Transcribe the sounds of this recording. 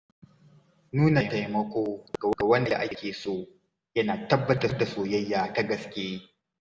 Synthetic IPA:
nuː˦na˨ta˦jmɐ˦kʷoː˦ɡ̥a˨˦ɡa˨wɐ˦nda̰˨ʔa˦kʲeː˨soː˦˨ | jɐ˦naː˨tɐ˦bːɐ˦da˨˦da˨soː˨jɐ˦jːaː˨ta˦ɡɐ˨skʲeː˦

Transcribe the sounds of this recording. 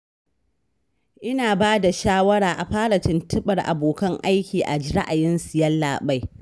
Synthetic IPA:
ʔɪ˦naː˨baː˦da˨ʃaː˦wɐ˦ɽaː˨ʔa˨ɸaː˦ɽa˨t͡ʃɪ˨ntɪ˦ɓɐ˨rʔa̰˨boː˨kɐ˦ŋʔa˦jkʲiː˨ʔa̰˨d͡ʒɪ˦ɾɐ˦ʔa˨jɪ˦nsɪ˨jɐ˦lːaː˨ɓa˦j

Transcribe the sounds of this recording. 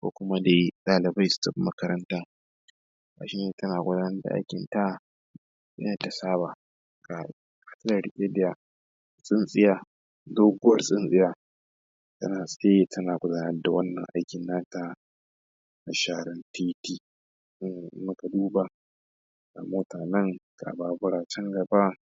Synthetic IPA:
kʷo̰ː˦kʷʊ˦ma˦da˨ji˦tʼaː˨lɪ˨ba˦jstɔ˦kmɐ˦kɐ˦ɾɐ˦ntaː˦ | ka̰˨ʃi˦neː˨tɐ˦naː˨ɡʷʊ˦daː˦nɐ˦rda̰˨ʔa̰˦jkʲɪ˨nta˦ | jɐ̰˦na˨ta˨saː˦ba˨˦ | ka˨˦ | ka˨tɐ˦da˨ɽɪ˨kʲʼe˦dɪ˦ja˨ | sʼɪ˦nsʼɪ˦jaː˨ | doː˦ɡʷʊ˦wɐ˨rsʼɪ˦nsʼɪ˦jaː˨ | tɐ̰˦naː˨sʼe˦jtʰɐ˦naː˨ɡʷʊ˦daː˦nɐ˦rda˨wɐ˦nːɐ̰˨ŋʔa̰˦jkʲɪ˨nːaː˦ta˦ | na˨ʃaː˦˨ɽɐ˦ntʰiː˦tiː˦˨˦ | mʊ˦ka˨duː˦ba˨ | ɡa̰˨moː˦taː˨nɐ˦ŋka̰˨baː˦bʊ˦ɽaː˨t͡ʃɛ˦ŋɡɐ˨ba˦

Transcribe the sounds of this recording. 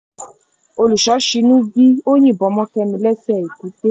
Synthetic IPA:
o˧lu˨ʃɔ˨˦ʃi˧nũ˦ɡi˦o˦ɲĩ˦˨bɔ˨˦mɔ̃˦kɛ˧mĩ˧lɛ˦sɛ˦˨i˨ku˨˦t̪e˦

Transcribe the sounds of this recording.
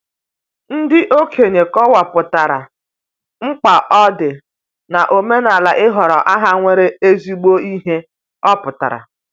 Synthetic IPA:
n̩˦dɪ˦ʔo˦kʰe˨ɲe˨kɔ˦wa˨pʊ˨ta˨ɾa̰˨ | ŋ͡m̩˦k͡pa˨ʔɔ˦dɪ˨ | na˨ʔo˨me˦na˨la˨ʔɪ˦ɦɔ˨ɾɔ˨ʔa˦ɦa˦ŋʷe˦ɾe˦e˦zi˦ɡ͡bo˦i˦ɦe˦ | ɔ˦pʊ˨ta̰˨ɾa̰˨

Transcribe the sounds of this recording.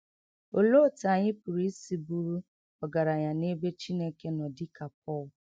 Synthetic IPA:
o˨lo˦˨ta˨ɲɪ˦pu˨ɾi˦si˨bu˦ɾu˦ | ɔ˨ɡa˨ɾa˨ɲa˨ne˦be˦t͡ʃi˦ne˦ke˦nɔ˨dɪ˦ka˨p̚ɔ˦˨l

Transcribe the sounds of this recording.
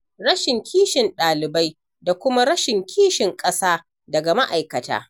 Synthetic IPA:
ɽɐ˦ʃɪ˨ŋkʲʰiː˦ʃɪ˨nɗaː˨lɪ˨ba˦j | da˨kʷʊ˦ma˦ɽɐ˦ʃɪ˨ŋkʲʰiː˦ʃɪ˨ŋkʼɐ˦saː˦ | dɐ˨ɡa˨ma˦ʔa˨jkɐ˨ta̰ː˦

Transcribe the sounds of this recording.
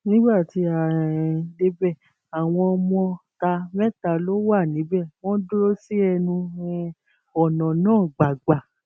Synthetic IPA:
nĩ˦ɡ͡ba˦˨ti˧˦a˨de˦bɛ˦˨ | a˨w̃ɔ̃˧ɔ˧mɔ̃˧ta˧mɛ˦ta˧lo˦wa˦˨nĩ˨˦bɛ˦˨w̃ɔ̃˦do˦ɾo˦si˦ɛ˧nũ˧ɛ˦ | ɔ˨nɔ̃˨nãː˦˨ɡ͡ba˨ɡ͡ba˨

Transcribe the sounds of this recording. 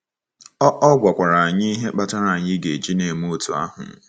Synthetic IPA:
ɔ˦ʔɔ˦ɡʷa˨kʷa˨ɾa˨a˨ɲi˦ɦe˦k͡pa˦ta˦ɾa˨ɲɪ˦ɡe˨d͡ʒi˦ne˨mu˦o˦tu˨a̰˦ɦʊ̰˨˦

